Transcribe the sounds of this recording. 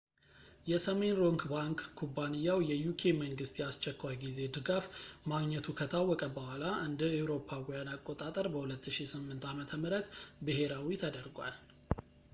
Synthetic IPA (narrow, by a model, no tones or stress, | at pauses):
jɛsəme̞nɾo̞ŋɡbaŋkkʰːubːanijːawjɛjukʰe̞məŋɡɨst̪jast͡ʃːɛkʰːʷajɡize̞d̪ɨɡafmaɡɲɛt̪ʰukʰət̪ʰawːɔkʼəbəhalaʔɨnd̪əewɾo̞pʰːawɔjanakʼːot̪ʼat̪ʼəɾbəhulət̪ʰːɨʃisɨmːɨnt̪amət̪ʰəmɨɾət̪bɨɦe̞ɾawit̪ʰəd̪əɾɡʷwa̰l